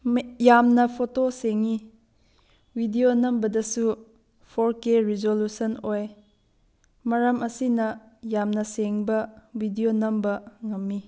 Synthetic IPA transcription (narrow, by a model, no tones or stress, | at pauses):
jamnɐpʰotoseŋi | bʱidionɐmbɐdɐsu | pʰoɾkeɾizolusɐnoj | mɐɾɐmɐsinɐjamnɐseŋbɐwidionɐmbɐŋɐmːi